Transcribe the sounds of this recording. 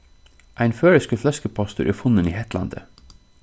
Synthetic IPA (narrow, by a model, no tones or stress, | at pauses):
ʔæɪnføːɹəskəflœskəpʰɑst̪ʊɾʔeːfʊnənḭːhɛt̪ʰlɑ̰nd̪ə̰